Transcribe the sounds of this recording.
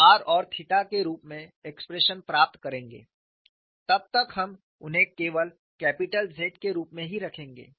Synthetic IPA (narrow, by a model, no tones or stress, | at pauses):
aːɾɔːɾt̪ʰɪʈakeɾuːpmẽekspɾeʃənpɾaːp̚t̪kɐɾẽːŋɡḛː | t̪ɐb̚t̪ɐkɦɐm | ʊnɦẽkeːʋəl | kɛːpɪʈəlzʱeːʈkeɾuːpmẽɦiɾɐkʰẽːŋɡḛː